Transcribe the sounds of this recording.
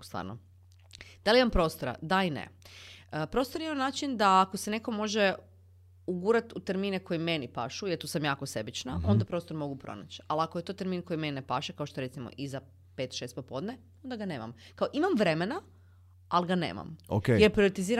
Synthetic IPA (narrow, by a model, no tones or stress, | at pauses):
st̪ʋa̰ːɾno | d̪aliimampɾo̞ːst̪oɾa̰d̪ainḛəpɾo̞ːst̪oɾjimanaːt͡ʃind̪aːkosene̞ko̞mo̞ʒe | uɡuːɾat̪ut̪e̞ɾmiːneko̞jime̞nipa̰ːʃujeɾt̪usamjaːko̞se̞bit͡ʃnao̞nd̪apɾo̞st̪o̞ɾmo̞ɡupɾo̰na̰t͡ɕalakojet̪o̞t̪e̞ɾmiːnko̞jime̞ninepaʃekaoʃt̪oeet̪simo̰ʔiza | pet̪ʃe̞st̪̚popo̞ːd̪ne | o̞nd̪aɡane̞ːma̰mkaoʔimamʋɾe̞mena | alɡanḛːma̰mokejeɾpɾioɾet̪iziːɾ